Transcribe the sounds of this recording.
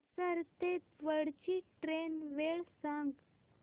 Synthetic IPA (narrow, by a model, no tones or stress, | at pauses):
səɾt̪et̪ʋəɽt͡ɕiʈɾenʋeɭsãŋɡ